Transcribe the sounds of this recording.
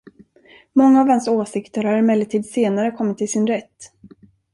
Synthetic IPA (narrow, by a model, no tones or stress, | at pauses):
mɔŋːaːvansoːsɪkt̪əɾhaɾɪmɛlːɪt̪ʰiːd̪seːnaɾəkʰɔmːɪt̪ʰːɪlsɪnɾɛt̪ː